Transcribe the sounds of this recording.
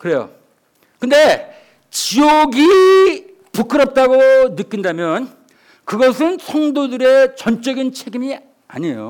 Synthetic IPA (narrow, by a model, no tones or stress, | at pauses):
kɯɾe̞jo̰ | kɯnde̞ | t͡ɕioɡi | pukʰɯɾʌp̚t͈aɡonɯk͈ːindamjʌn | kɯɡʌsʰɯnsʰʌŋdodɯɾe̞t͡ɕʌnt͡ɕ͈ʌɡint͡ɕʰe̞ɡimi | a̰ɲejo̰